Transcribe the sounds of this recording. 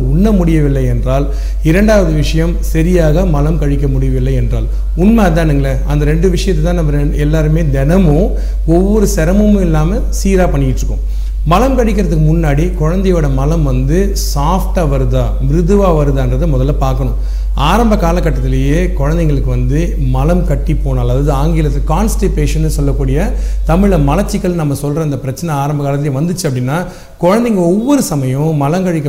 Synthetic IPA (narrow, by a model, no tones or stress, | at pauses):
ʊnːɐmʊɽɪjɐʋɪlːɐɪɛndraːl | ɪɾɐɳɖaːʋɐðɯʋɪʂɐjɐmsɐɾɪjaːɣɐmɐlɐmkɐɻɪkʲːɐmʊɽɪjɐʋɪlːɐɪɛndra̰ːl | ʊnmeɐt̪ːãːniŋɡɐlɐɐnd̪ɐɾɛɳɖɯʋɪʂɐjɐt̪ːɯt̪ãːnɐmːɐɾ | ɛlːaːɾɯmeːd̪ɛnɐmʊ̃ | ɔʋːɔɾɯsɛɾɐmɐmʊ̃ɪlːaːmɐ | siːɾaːpɐɳːɪjɪʈːɾɯkːʊ̰̃ | mɐlɐmkɐɻɪk̬ʲːɪɾɐðɯkːɯmʊnːaːɽikɔɻɐnd̪ɐjoːɽɐmɐlɐmʋɐnd̪ɯ | saːfʈaːʋɐɾɯðaːmɪɾɯðɯʋaːʋɐɾɯðaːɛndrɾɐðɯmɔðɐlːɐpaːɾkɐɳʊ̃ | aːɾɐmbɐkaːlɐkːɐʈːɐt̪ːɪlɐjeːkɔɻɐnd̪ɛŋɡɐɭɯkːɯʋɐnd̪ɯ | mɐlɐmkɐʈːipːoːnɐːlɐðaːðɯaːŋɡɪlɐt̪ːkaːnsʈɪpeːʂɐnɯsɔlːɐkːuːɽɪjɐt̪ɐmɪɻɭɐmɐlɐt͡ʃːɪkːɐɭnɐmːɐsɔlɾɐɐnd̪ɐpɪɾɐt͡ʃːɐnɛaːɾɐmbɐkaːlɐt̪̬ːɪljeʋɐnd̪ɯt͡ʃːɯɐpːɐɽɪnːaː | kɔɻɐnd̪ɛŋɡɐɭɔʋːɔɾɯsɐmɐjʊ̃mɐlɐŋkɐɻɪkːɐ